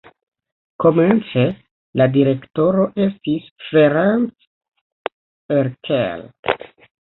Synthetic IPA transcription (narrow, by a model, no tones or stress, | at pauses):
ko̞ment͡se | ladiɾe̞kto̞ɾo̞ʔe̞stisfeɾans | eɾkʰḛl